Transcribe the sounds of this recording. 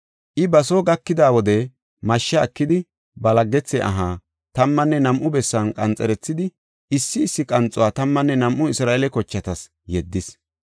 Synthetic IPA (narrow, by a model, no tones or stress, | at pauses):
ʔɪbɐsoːɡɐkːɪd̪aːwɔd̪ɛ | mɐʃːɐːkːɪd̪ɪ | bɐlɐɡːɛt͡sːɛʔɐ̰ɦaː | t̪ɐmːɐnːɛnɐmʔʊbɛsːɐnkʼɐnt͡sʼɛɾɛt͡sːɪd̪ɪ | ɪsːɪːsːɪkʼɐnt͡sʼʊwaːt̪ɐmːɐnːɛnɐmʔʊɪsɾaːɛlɛkɔt͡ʃːɐt̪ɐs | jɛd̪ːɪs